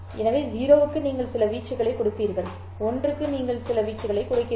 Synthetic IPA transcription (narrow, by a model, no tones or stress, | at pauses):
ɛnɐʋeːɦiːɾoːʋɯkːɯniːŋɡɐɭsɪlɐʋiːʈt͡ʃːɐɣɐɭɐɪkːɔɽɯpːiːɾɣɐɭ | ɔndrɯkːɯniːŋɡɐɭsɪlɐʋiːt͡ʃːɐɣɐɭɐɪkːʊɽɐɪkːɪ